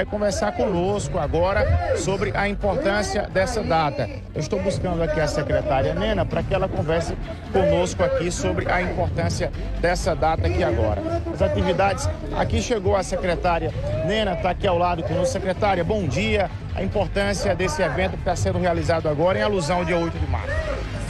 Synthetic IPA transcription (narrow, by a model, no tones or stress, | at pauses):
ajkõvɛɾsaɾkõnoskʊaɡɔɾɐsobɾɪʔɐĩpoɾt̪ɐ̃siɐd̪ɛsɐd̪at̪ɐ | ewɪʃst̪owbuskɐ̃nd̪ʊakiɐsɛkɾɛt̪aɾiɐnẽnɐpɾɐkɪɛlɐkõvɛɾsɪ | kõnoskʊakisobɾɪʔɐĩpoɾt̪ɐ̃siɐ | d̪ɛsɐd̪at̪ɐakiaɡɔ̰ɾɐ̰ɐzat̪ivid̪ad͡ʒɪs | a̰kiʃeɡowɐsekɾɛt̪aɾjɐnẽnɐt̪akiawlad̪ʊkõnossekɾɛt̪aɾjɐbõw̃d͡ʒiɐ | ɐ̰ĩpoɾt̪ɐ̃siɐd̪esɪevẽnt̪ʊkɪ̥t̪asẽnd̪ʊɦealizad̪ʊaɡɔɾɐẽaluzɐ̃w̃ʊd͡ʒiɐojt̪ʊdɪma̰ɾsʊ̥